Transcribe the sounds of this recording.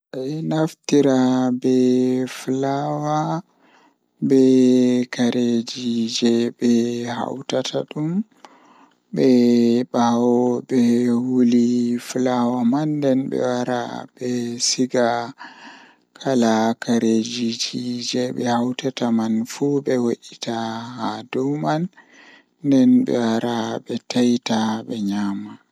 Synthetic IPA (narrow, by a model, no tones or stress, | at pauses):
ʔanaftiɾabɛflawa | bɛkaɾʔed͡ʒid͡ʒɛbɛha̰wtatʰaɗum | bɛbawɔbɛhuliflawamandɛnbɛ̰waɾa̰bɛsiɡa | kʰalakaɾed͡ʒid͡ʒid͡ʒɛɓɛ̰hawtatamanfubɛwoʔitʰahadumanː | dɛnbɛ̰waɾabɛtajtaɓɛɲama